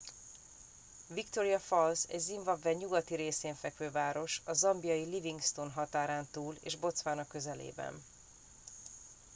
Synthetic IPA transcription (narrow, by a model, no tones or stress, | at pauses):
vikt̪o̞ɾijɒfɒlsɛ̰ɟziɱvɒbvɛɲuɡɒt̪iɾeːseːɱfɛkʋøːvaːɾo̞ʃɒzɒmbijɒjiliviŋɡst̪onɦɒt̪aːɾaːnt̪uːlḛːʒbo̞t̪sʋaːnɒkːø̞zɛlḛːbɛ̰n